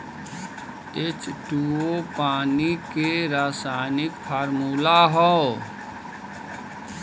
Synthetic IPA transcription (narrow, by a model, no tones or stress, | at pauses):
et͡ʃʈuopaːnikeɾaːsanɪkpʰaːɾmuːlaɦɔ